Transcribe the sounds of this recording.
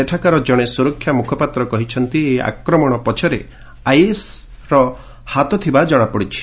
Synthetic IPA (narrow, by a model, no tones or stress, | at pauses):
seʈʰakaɾɔd͡ʒɔɽ̃esuɾɔkʰːjamukʰɔpat̪ɾɔkɔɦit͡ʃʰɔnt̪iea̰kɾɔmɔɽ̃ɔpɔt͡ʃʰɔɾe | ajes | ɾɔ | hat̪ɔt̪ʰibad͡ʒɔɽ̃apɔɽit͡ʃʰi̥